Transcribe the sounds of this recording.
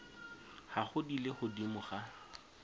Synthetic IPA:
haχʊdileχʊdimʊχa

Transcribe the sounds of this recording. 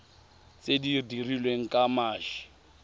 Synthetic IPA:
t͡sedidirilweŋ̩kʼamaːʒi

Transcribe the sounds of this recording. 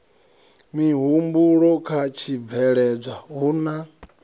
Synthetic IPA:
miɦumbuɺɔkʰat͡ʃʰib̪vɛɺɛb͡ʐaɦuːna

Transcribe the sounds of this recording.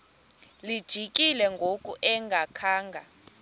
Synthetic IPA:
lid̥ʒ̥ʱikʼilɛŋɡʱokʼuʔɛŋɡʱakʰaːŋɡʱa

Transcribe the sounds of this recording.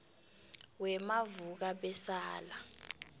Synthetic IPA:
wɛmavuk̬aɓɛsaːla

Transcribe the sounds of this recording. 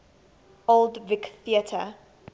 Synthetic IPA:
olˠdvɪkθiətʰə

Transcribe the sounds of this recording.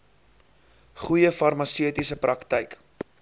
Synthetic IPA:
χujəfɐrmɐsiətisəpɾɐktəjk

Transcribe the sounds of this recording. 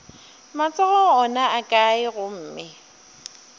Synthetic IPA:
mat͡sʼɔɣɔŋɔnaakʼaɪɣʊm̩ːmɪ

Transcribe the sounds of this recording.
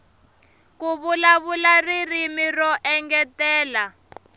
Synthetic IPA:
kuβulaβularirimirɔʔɛŋɡɛtɛːla

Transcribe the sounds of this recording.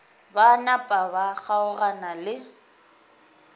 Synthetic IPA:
banapʼaβaɣaʊranalɪ

